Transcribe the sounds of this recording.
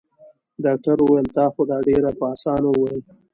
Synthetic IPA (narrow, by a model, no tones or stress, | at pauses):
ɖɑk̚ʈaɾuwajəlt̪ɑːxod̪ɑɖeɾapəɑsɑːnowajəl